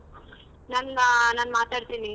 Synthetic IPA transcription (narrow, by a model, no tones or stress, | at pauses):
naːnanaːnmaːt̪aːɽt̪iːni